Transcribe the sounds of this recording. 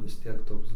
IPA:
ʋʲɪs ˈtʲiɛk ˈtoːks

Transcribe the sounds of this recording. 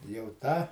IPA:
jɛʊ ˈtɑː

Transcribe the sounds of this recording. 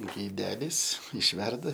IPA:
ɡɐɪˈdʲæːlʲɪs ɪʃʲˈʋʲɛrdɐ

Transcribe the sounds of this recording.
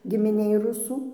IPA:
ɡʲɪmʲɪˈnʲeːj ˈrʊsuː

